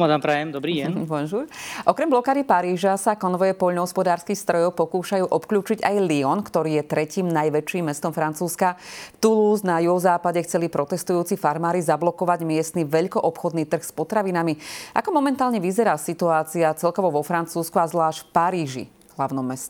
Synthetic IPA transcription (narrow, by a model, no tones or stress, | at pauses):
mad̪ampɾajɛmd̪ɔbɾiːɛpɔnʒuːɾʔɔkɾɛmblɔkaːd̪ipaɾiːʒasakɔnʋɔjɛpɔʎnɔɦɔspɔd̪aːɾskixst̪ɾɔjɔʊpɔkuːʃajuːʔɔpkʎuːt͡ʃiɟajliɔnkt̪ɔɾiːjɛt̪ɾɛciːmnajʋɛt͡ʃːimːɛst̪ɔmfɾant͡suːskat̪uluznajuɦɔzaːpaɟɛxt͡sɛlipɾɔt̪ɛst̪ujuːt͡sifaɾmaːɾizablɔkɔʋaɟmɪɛst̪niʋɛʎkɔʔɔpxɔd̪niːt̪r̩xspɔt̪ɾaʋinamiʔa̰kɔmɔmɛnt̪aːlɲɛʋizɛɾaːsit̪uaːt͡siat͡sɛlkɔʋɔʋɔfɾant͡suːskuazʋlaːʃcffpaɾiːʒḭ | ɦlaʊnɔmːɛscɛ